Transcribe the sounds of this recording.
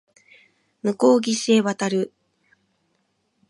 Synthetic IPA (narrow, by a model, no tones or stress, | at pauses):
mɯ̟ko̞ːɡʲise̞ːβat̪aɾɯ̟